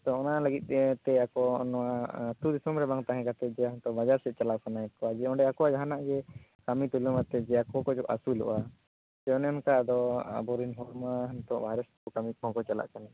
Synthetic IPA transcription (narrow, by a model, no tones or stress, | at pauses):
t̪ɔɔnaləɡit̪̚ˀɛt̪ɛakɔɔ̰nɔwat̪ud̪isɔmɾɛbaŋt̪aɦɛ̃kat̪ɛt̪̚ˀd͡ʒɛɦnt̪ɔbad͡ʒaɾsɛt̪̚t͡ʃalakanaɛt̪̚kɔad͡ʒɛɔ̃ɳɖɛakɔwad͡ʒaɦanaʔɡɛkamit̪ulumat̪ɛd͡ʒɛakɔkɔd͡ʒɔʔa̰sulṵʔa | t͡ʃɛɔnɛɔnkad̪ɔa̰bɔɾinɦɔɾmaɦant̪ɔʔbʱaɾɛskɔkamikɔ̃kɔt͡ʃala̰ʔkana